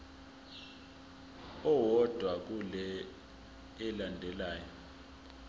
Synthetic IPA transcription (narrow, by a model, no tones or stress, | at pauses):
ɔwɔd̥ʱwak̬ulɛ | ɛlandʱɛlaːjɔ